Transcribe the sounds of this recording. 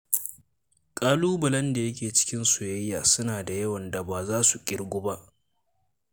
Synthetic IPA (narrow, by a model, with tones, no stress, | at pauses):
kʼaː˦luː˦bɐ˨lɐ˦nda˨jɐ˦kʲeː˨t͡ʃɪ̥˦kʲɪ˦nsʊ˨jɐ˦jːaː˨sʊ˦naː˨da˨jɐ˦wɐ˨nda˨baː˨zaː˦su˨kʲʼɪ˦ɽɡʷʊ˦ba˦ʔ